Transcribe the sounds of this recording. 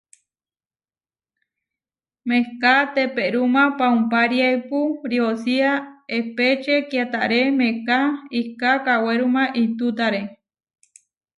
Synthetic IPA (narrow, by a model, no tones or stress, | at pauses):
mekat̪epeɾumãpaumpaɾjajpuɾiosiaepet͡ʃekjat̪aʔɾemekaikakaweɾumãʔit̪ut̪aɾe